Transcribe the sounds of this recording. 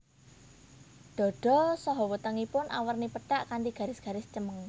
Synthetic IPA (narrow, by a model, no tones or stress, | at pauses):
ɖ̪̥ɔ̤ɖ̥ɔ̤sɔɦɔwət̪əŋipʊnʔawərnipət̪aʔkand̪iɡ̥ä̤ɾɪsɡ̥ä̤ɾɪsd̥d͡ʒəməŋ